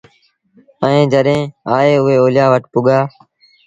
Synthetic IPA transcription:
əẽːd͡ʒəɗẽːaːeːʊɦeːoːljaːʋəʈpʊɠaː

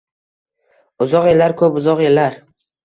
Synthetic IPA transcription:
ʊzɒqjelaɾkʰɵpʊzɒqelːaɾ

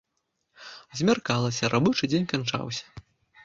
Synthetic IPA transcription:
zʲmʲarkalˠɐsʲɐɾʔabut͡ʂɨd͡zʲenʲkant͡ʂa̰wsʲɐ̥

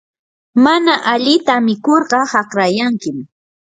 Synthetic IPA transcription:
manaʔaʎɪt̪amɪkoɾɢɑhɑqɾajaŋkɪm

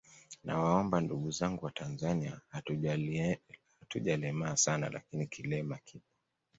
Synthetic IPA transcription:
nawaɔmbanduɠuzaŋɡuwatʰanzaniahau | hatuʄalɛmaːsana̰la̰kinikʰilɛmakʰip̚ḁ

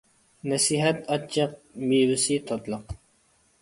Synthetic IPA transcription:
nɛsiɦɛt̪ɑt͡ʃʰːɑq̚miwɪsit̪ʰot̪lˠəq

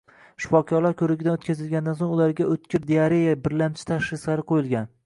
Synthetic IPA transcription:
ʃʊ̥fɒkʲʰɒɾlaɾkʰʲɵɾɪɡʲɪd̪anot̪̚kʲazɪlɡʲand̪ansoŋʊlaɾɡʲaɵt̪kʲʰɪɾd̪eaɾejabɪɾlamt͡ʃʰɪ̥t̪ʰaʃɾɪslaɾɪqʰojɪlˠɡʲan

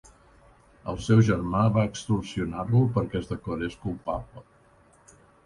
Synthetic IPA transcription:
ə̰lˠsɛwʒərmaβaəkst̪ursiunarlupəɾkɛzðəkəɾeskulˠpaplə

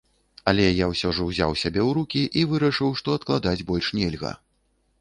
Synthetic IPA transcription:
ɐlʲɛjawsʲɔʐɐwzʲa̰wsʲabʲɛwɾukʲiʔivɨɾɐʂɨwʂt̪ɔɐt̪klˠad̪ad͡zʲbɔlʲʂnʲɛlʲɣɐ̰

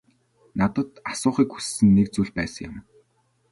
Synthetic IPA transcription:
nat̪ə̆t̪asʊːχiːkxu̥sːɘ̆nːekt͡suɮpæːsə̆ŋjʊ̰̆m

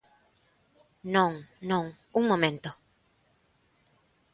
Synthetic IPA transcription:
nõŋnõŋ | uŋmõmẽnt̪o

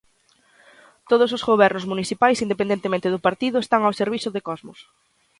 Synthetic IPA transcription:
t̪oð̞ʊsozɣoβ̞ɛɾnʊzmuniθipajsind̪epend̪ent̪emẽnt̪ɪðʊpaɾt̪iðʊest̪aŋawseɾβiθʊðekɔzmʊs

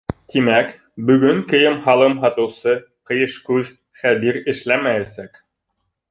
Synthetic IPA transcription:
t̪imæk | bɵ̆ɡɵŋkɘ̆jɘmɦɑlˠɤmɦɑt̪ɤ̆wsɤ | qɤ̆jɤ̆ʃkʉð | χæbiɾɘ̆ʃlæmæjæsæk

